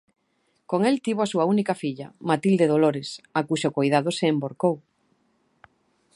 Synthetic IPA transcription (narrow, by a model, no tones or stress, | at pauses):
koŋelt̪iβoasuaunikɐfiʎɐmat̪ild̪eð̞oloɾɪsakuʃokojðaðoseːmboɾkow